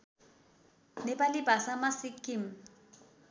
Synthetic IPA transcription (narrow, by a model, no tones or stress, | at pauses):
nɪbalɪbasamasɪkʼɪm̩